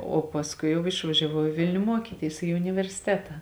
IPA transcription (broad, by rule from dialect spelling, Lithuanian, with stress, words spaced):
oː pɐsˈkʊɪ ˈjɛʊ ɪʃʋɐʒʲɛˈʋɐʊ ɪ ˈʋʲɪlʲnʲʊ ˈmuɔkʲiːtʲiːs ɪ ʊnʲɪʋʲɛrʲsʲɪˈtʲæːtɐ